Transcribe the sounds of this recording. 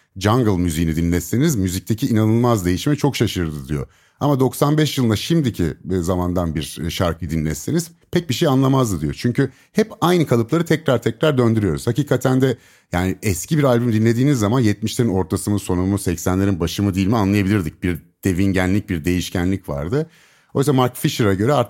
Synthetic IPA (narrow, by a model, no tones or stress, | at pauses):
d͡ʒaŋɡɯlˠmyzijinid̪inlʲɛsinizmyzic̚t̪ʰecʰiːnanɯlˠmazd̪e̞jiʃmɛt͡ʃʰo̞kʃaʃɯɾd̪ɯd̪ijo̞̰ | amad̪o̞ksanbɛʃjɯlˠnaʃimd̪icʰizamand̪anbiɾʃaɾkʰɯd̪inlʲɛseniz̥ | pʰɛc̚biʃejanlˠamazd̪ɯd̪ijo̞t͡ʃʰyɲcʰy | hɛpajnɯkʰalˠɯplˠaɾɯt̪ʰɛcɾaɾt̪ʰɛcɾaɾd̪ø̞nd̪yɾyjo̞ɾuz̥haciːkʰat̪ʰænd̪ɛ | jaːniɛscʰibiɾalʲbymd̪inʲe̞d̪iːnizːamanjɛt̪̚miʃlʲeɾino̞ɾt̪ʰasɯnɯso̞numusɛcsænlʲe̞ɾinbaʃɯmɯd̪ijilʲmianlˠajabilʲiɾd̪ic̚biɾd̪̥e̞vinɟænlʲic̚biɾd̪e̞jiʃcʰænlʲicva̰ɾd̪ɯ | ojysamaɾkfiʃɯɾaɟø̞ɾɛaɾt̪